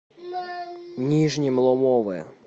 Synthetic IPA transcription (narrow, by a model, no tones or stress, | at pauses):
nʲiʒnʲimlˠɔmɔʋɨ